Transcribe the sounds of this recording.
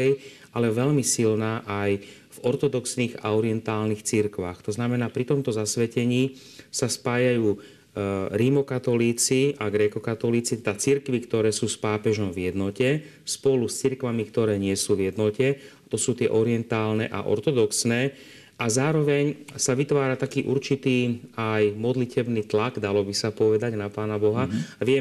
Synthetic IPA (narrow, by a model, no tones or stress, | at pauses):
ɛj | alɛʋɛʎmisilnaːʔaj | vɔɾt̪ɔd̪ɔksniːɣa̰ɔɾiɛnt̪aːlnixt͡siɾkʋa̰xt̪ɔznamɛnaːpɾit̪ɔmt̪ɔzasʋɛcɛɲiː | saspaːjajuː | ɾimɔkat̪ɔliːt͡siaɡɾɛkɔkat̪ɔliːt͡sit̪ɛd̪at͡siɾkʋikt̪ɔɾɛːsuːspaːpɛʒɔmvjɛd̪nɔcɛ | spɔlust͡siɾkʋamikt̪ɔɾɛːɲɪɛsuːʋjɛd̪nɔcɛat̪ɔsuːt̪ɪɛ̰ʔɔɾɪɛnt̪aːlnɛ̰ʔa̰ʔɔ̰ɾt̪ɔd̪ɔksnɛː | ʔazaːɾɔʋɛɲsaʋit̪ʋaːɾat̪akiːʔuɾt͡ʃit̪iːajmɔd̪licɛbniːt̪laɡd̪alɔbisapɔʋɛd̪aɟnapaːnabɔɦaʋɪɛ